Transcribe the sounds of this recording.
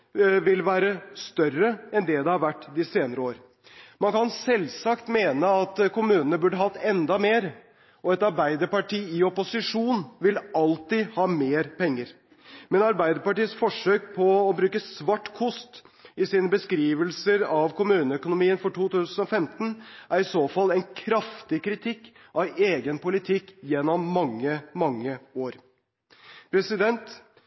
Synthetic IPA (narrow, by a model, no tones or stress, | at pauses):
ʋɪlʋæːɾəst̪œrəɛnd̪ɛd̪ɛhɑɾʋæʈːd̪ɪseːnəɾəoːɾ | mɑnkɑnsɛlsɑkt̪meːnəɑt̪kʰʊmʉːnənəbʉɖəɦɑt̪ːɛnd̪ɑmeːɾ | ʔɔɛt̪ɑɾbæɪd̪əɾpɑʈiːɪɔpʊsɪʂuːnʋɪlɑlt̪ɪhɑːmeːɾpɛŋːəɾ | mɛnɑɾbæɪd̪əɾpɑʈiːəsfɔʂøːk̚pʰɔːbɾʉːkəsʋɑʈːkʰʊst̪ | ɪsiːnəbəskɾiːʋəlsəɾɑʋkʰʊmʉːnəœkʊnʊmiːənfɔʈuːt̪ʉːsən̩ɔfɛmt̪n̩ʔæɾɪsoːfɑlːɛɪnkʰɾɑft̪ɪkɾɪt̪ʰɪkː | ʔɑʋeːɡənpʊlɪt̪ʰɪkːjɛnːɔmːɑŋːəmɑŋːəoːɾ | pʰɾɛsɪd̪ɛnt̪